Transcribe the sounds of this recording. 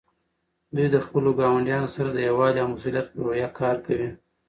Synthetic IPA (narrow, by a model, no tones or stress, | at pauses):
d̪ujd̪əxpəloɡɑwaɳɖjɑnosaɾad̪əjawɑljɑmʊsuljat̪̚pəɾojɑkʰɑɾkawi